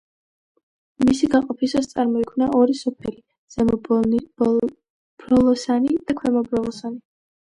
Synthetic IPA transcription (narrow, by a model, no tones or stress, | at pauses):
misiɡaqʼɔpʰisast̪sʼaɾmɔikʰwnaʔɔɾisɔpʰɛli | z̥ɛmɔb | b̥ɾɔlˠɔsanid̪̥akʰwɛmɔbɾɔlˠɔsani